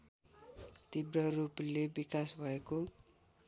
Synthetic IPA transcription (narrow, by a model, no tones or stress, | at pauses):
t̪ibɾəɾubəlebikaswajku